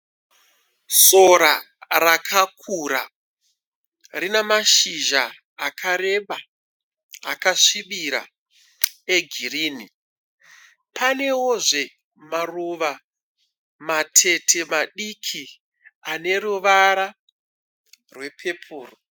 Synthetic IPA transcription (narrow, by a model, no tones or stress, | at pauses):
so̞ɾa | rakʰakʰuɾa̰ | rinemaʃiʒaː | kʰaɾe̞ɓaː | kaʂiɓiɾa̰ | eɡʱiriːni | pane̞woʐe̞ | maruʋa | matʰe̞tʰe̞maɗikʰi | ane̞ɾuʋaɾa | rwe̞pʰe̞pʰuːro